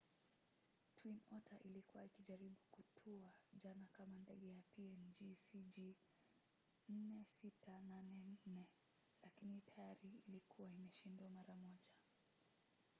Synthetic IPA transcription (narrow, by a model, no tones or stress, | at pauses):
twinɔtʰaʔilikuwaikiʄaɾiɓukutʰuaʄanakamandɛɠɛjapiɛnd͡ʒisiʄi | n̩nɛsitananɛn̩nɛ | lakinitajaɾiilikʰuwaimɛʃindwamaɾamɔʄa